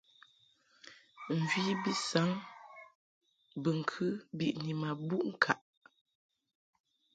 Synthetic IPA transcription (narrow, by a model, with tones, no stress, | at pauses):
n̩˨d͡ʒi˦bi˦sa˨˦ŋ | bə˨ŋ̩˨kʰʉ˦bi˨ʔni˨ma˨bu˦˨ʔŋ̩˦˨kʰa˨ʔ